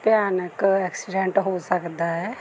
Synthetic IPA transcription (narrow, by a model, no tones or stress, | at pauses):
pjaːnəkɛːksiɖẽɳʈɦosəkd̪aɦɛː